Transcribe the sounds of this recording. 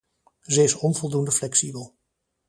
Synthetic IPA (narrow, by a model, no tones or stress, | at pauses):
zəɪsɔnvɔlˠdundəflɛksibəlˠ